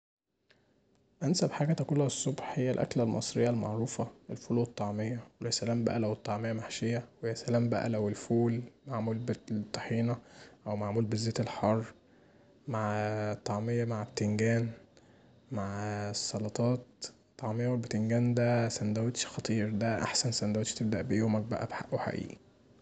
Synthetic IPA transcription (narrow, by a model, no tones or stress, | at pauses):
ʔænsæbħaːɡæt̪ækulːæesˤːobħhejːælʔæ̰klælmɑ̰sˤɾejːælmɑ̰ʕɾuːfɑʔelfuːlwet̪ˤːɑʕmejːɑwelæsælæːmbæ̰ʔælæwet̪ˤːɑʕmejːæmaħʃejːæwejæsælæːmbæ̰ʔæ̰læwelfuːlmaʕmuːlbet̪ˤːɑħiːnɑʔæwmaʕmuːlbezːeːt̪elħɑrˤː | maʕt̪ˤːɑʕmejːɑmaʕbt̪eŋɡæːn | maʕsˤːɑlɑt̪ˤɑːt̪ː | ɑʕmejːæwelbet̪eŋɡæːnd̪æsænd̪æwet̪ʃxɑt̪ˤiːɾd̪æʔa̰ħsænsænd̪æwet̪ʃt̪ebd̪æʔbejoːmæk̚bæ̰ʔæ̰bħa̰ʔeħa̰ʔḭːʔi